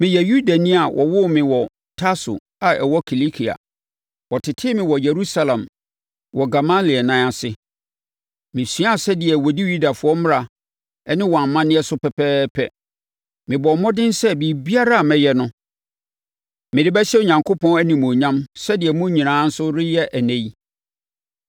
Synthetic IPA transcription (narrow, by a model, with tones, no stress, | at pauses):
mɪ̃˨jɛ˨ju˦da˨nĩ˦a˨wʔɔ̰˨wʊ˦mɪ̃˨wɔ˨ | tʰa˦sʊ̰˨ | a˨ɛ˨wɔ˦kʰi˨li˦kʰi˨a̰˨ | wɔ˨tʰɪ˨tʰɪ˦mɪ̃˨wɔ˨je˨ɾu˦sa˦lã˨m | wɔ˨ɡa˨ma˦li˨ɛ˨nã˨˦a˨sɪ˦ | mɪ̃˨si˦a˦˨sɛ˦dɪ˨ɛ˨wɔ˨di˦ju˦da˨fʊ˨ɔ˦m˦ɾa˨ | ɛ˦nɪ̃˦wɔ˨a˨m˦mã˦nɪ̃˦ɛ˦sʊ˦pʰɛ˨pʰɛː˦pʰɛ˦ | mɪ̃˨bɔ˨˦mɔ̃˦dɪ̃˦n˦sɛ˦bi˨bi˦a˦ɾa˦a˨mɛ̃˨jɛ˦nʊ̃˦ | mɪ̃˨dɪ˦bɛ˦ɕɛ˦o˨ɲã˨ŋkʰo˦pʰɔ̃˦næ˦nĩ˨mũ˨ɲã˦msɛ˦dɪ˨ɛ˨mʊ̃˦ɲĩ˨nãː˨˦n̩˦sʊ˦ɾɪ˦jɛ˦ʔæ˨nɛ̃˦ji˦